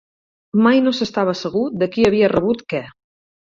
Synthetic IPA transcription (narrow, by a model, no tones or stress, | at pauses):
majnosəst̪aβ̞əsəɣ̞ud̪əkiəβ̞iərəβut̪kɛ